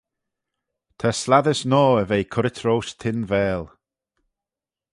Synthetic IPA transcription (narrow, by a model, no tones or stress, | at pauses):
t̪ʰaslaðəsnɔːəvejkʰʊɾɪtʰɾowst̪ʰɪnvɛːlˠ